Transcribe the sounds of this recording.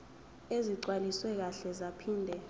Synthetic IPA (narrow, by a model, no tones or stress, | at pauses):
eziǀwaliswɛk̬aɬɛzapʰiːndʱɛ